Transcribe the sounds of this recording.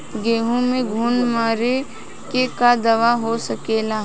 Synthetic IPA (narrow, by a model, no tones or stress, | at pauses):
ɡeːɦõmẽɡʱuːnmaːɾe | kekad̪ɐʋaɦosɐkeːlaː